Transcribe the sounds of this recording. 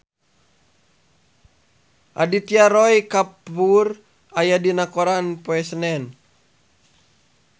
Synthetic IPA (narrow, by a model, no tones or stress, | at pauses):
ʔa̰dit̪iaɾɔjkapur | ajadinakɔɾanpoɛsənɛn